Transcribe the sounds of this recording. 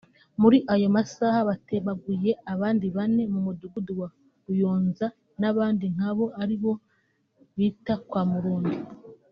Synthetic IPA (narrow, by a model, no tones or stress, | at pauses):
muɾiʔajo̞masahaβate̞βaɡwiːje̞aβaːndiβane̞mumuduɡuduwa | ujoːnza | naβaːndiŋ̥haβo̞ʔaɾiβo̞ | βiːtakwaːmuɾuːndi